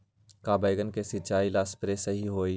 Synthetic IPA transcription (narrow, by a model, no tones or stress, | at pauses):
kaːbəjɡənkesɪt͡ʃaːilaːspɾesɐɦiɦoːi